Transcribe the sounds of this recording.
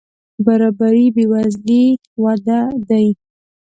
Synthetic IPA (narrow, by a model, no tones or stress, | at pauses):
baɾɑbaɾibewazli | wad̪ad̪aj